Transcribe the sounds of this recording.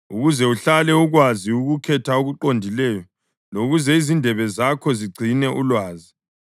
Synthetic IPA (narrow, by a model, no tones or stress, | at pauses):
uɣuzɛuɬalɛuɣwaziuɣukʰɛtʰaoɣuǃondʱilɛːjɔ | loɣuzɛizindʱɛβɛzakʰɔziɡ͡ǀʱinɛʔulwaːzi